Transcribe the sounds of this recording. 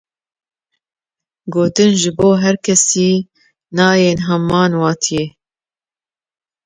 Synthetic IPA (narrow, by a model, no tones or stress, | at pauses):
ɡoːt̪ɨnʒɨboːɦɛɾkʰɛsiː | nɑːjeːnɦɛmːɑːnwɑːt̪ʰije